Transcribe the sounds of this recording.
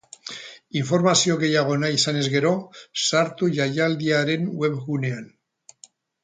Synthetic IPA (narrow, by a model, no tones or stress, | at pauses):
iɱfo̞ɾmasio̞ɣe̞jaɣ̞o̞naisane̞zɣe̞ɾo̞saɾt̪uʝajald̪iaɾe̞nwe̞βɣune̞an